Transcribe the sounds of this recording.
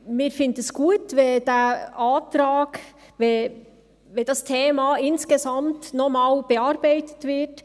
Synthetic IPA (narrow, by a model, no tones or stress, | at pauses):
mɪːɾfɪndəsɡ̥uətvɛd̥ɛʔaːtɾaːɡ | ve | ved̥ɑstʰeːmaɪnskəzɑmtnɔmaːlb̥əɑɾbaɪtətvɪt